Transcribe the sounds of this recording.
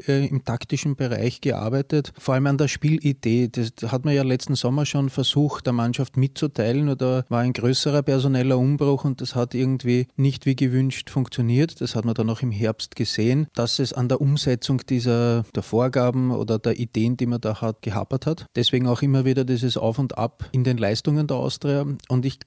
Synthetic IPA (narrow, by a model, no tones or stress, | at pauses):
ɛɪmtʰaktɪʃn̩b̥əʁa̰ɪçɡ̥əʔa̰ɐbæɪtətfoːɐaləmandeːɐʃpiːlʔid̥eːd̥ashatmɐjaːlɛt͡stn̩zɔmɐʃoːnfɛɐz̥uːxtd̥eːɐmanʃaftmɪtt͡sutʰaɪlənoːdavaːɐæɪnɡ̥ʁøːsəʁɐpɛɐzonɛlɐʊmbʁʊxʊnt̚d̥ashatʔɪɐɡŋ̩tv̥iːnɪçtv̥iːɡəvʏnʃtfʊ̃ŋkt͡sjoniːɐtd̥ashatmɐdanaʊxɪmɦɛɐpstɡ̥əz̥eːənd̥asɛsa̰ndeːɐʔʊmzɛt͡sʊŋd̥iːzɐd̥eːɐfoːɐɡaːbm̩o̰ːdɐdeːɐʔid̥eːənd̥iːmɐdaːhat̚ɡ̥əɦa̰pɐthatd̥ɛsveːɡŋ̩ɑʊxɪmːɐviːɾɐdiːs̬əsʔa̰ʊfʊndʔa̰pɪndenlæɪstʊŋəndeːɐa̰ʊstʁeːɐʔʊntɪç